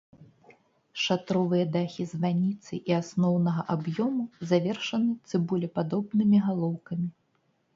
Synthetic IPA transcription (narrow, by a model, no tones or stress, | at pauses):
ʂat̪ɾɔvɨjɐd̪axʲizvanʲit̪sɨ̰ʔiasnɔwnɐɣɐʔabjɔmuzavʲɛrʂɐnɨt̪sɨbulʲɛpad̪ɔbnɨmʲiɣalˠɔwkɐmʲi